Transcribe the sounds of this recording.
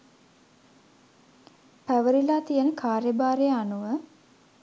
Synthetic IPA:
pæʋəɾilaːt̪ijənəkʰaːɾjəbaːɾejəanuʋə

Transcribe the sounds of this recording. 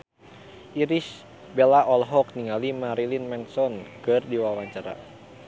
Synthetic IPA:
ʔiɾis | bɛlaʔɔlɦɔk̚niŋalimaɾilinmɛnsɔnkɨrdiwawaɲt͡ʃaɾa̰

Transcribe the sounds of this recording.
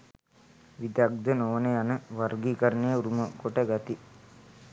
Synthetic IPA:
ʋid̪ak̚d̪ənoʋnejanəʋɐɾɡikɐɾənejəuɾuməkoʈəɡat̪i

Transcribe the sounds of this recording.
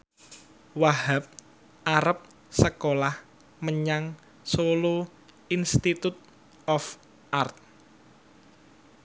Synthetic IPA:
waɦap̚ | aɾəp̚ | səkolah | məɲaŋ | solo | inst̪it̪ut̪̚ | ɔf | ʔart̪̚

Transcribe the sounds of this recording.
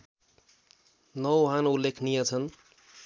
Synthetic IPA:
nʌwɦanulːekʰnijʌt͡sʰʌn

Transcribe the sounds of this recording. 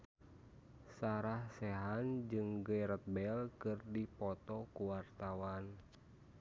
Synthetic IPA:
saɾahsɛɦand͡ʒɨŋɡəjɾət̪̚bɛlkɨrdipɔt̪ɔkuwart̪awan

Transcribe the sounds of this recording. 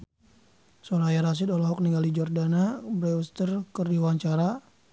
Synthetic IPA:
sɔɾajaɾas̬ɪd̪ɔlaɦɔk̚niŋɡalid͡ʒɔrdanabɾɛust̪ərkərdiwaɲt͡ʃaɾa

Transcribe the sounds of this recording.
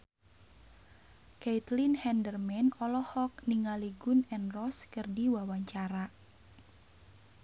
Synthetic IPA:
ket̪linhɛndərmɛnɔlɔhɔk̚niŋaliɡunɛnrɔskɨrdiwawaɲt͡ʃaɾa

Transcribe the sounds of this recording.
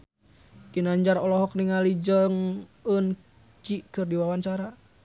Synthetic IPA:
kinaɲd͡ʒaɾɔlɔɦɔkniŋalid͡ʒəŋən | t͡ʃikɨrdiwawaɲt͡ʃaɾa

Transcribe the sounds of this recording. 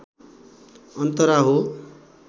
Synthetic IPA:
ʌnt̪ʌɾaɦo

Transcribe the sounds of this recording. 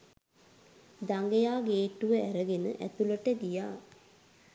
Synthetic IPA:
d̪aŋɡejaːɡeːʈuʋəæɾəɡenə̰ʔæ̰t̪uləʈəɡ̪ijaː

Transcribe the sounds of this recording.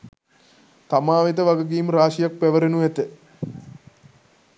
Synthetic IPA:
t̪amaːʋet̪əʋaɡəɡiːmraːʃijak̚pæʋəɾenuʋæt̪ə

